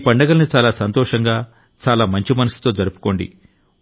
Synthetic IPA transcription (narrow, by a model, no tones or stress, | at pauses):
pɐɳɖɐɡɐlɐnit͡ʃaːlaːsɐnt̪ɔːʂɐŋɡaː | t͡ʃaːlaːmɐɲt͡ʃimɐnɐsi̥t̪o̞ːd͡ʒɐɾupu̥ko̞ːɳɖḭ